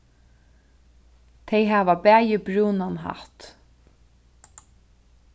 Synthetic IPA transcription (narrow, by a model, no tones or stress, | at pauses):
t̪ʰɛjɦaːvabɛːjɪbɾuːnanɦa̰ht̪